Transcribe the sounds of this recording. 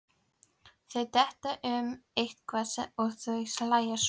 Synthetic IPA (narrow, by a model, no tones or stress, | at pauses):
θœɥt̪ɛht̪aʔʏmejht̪kʰvaːsa̰ɔɣθœjslaːjas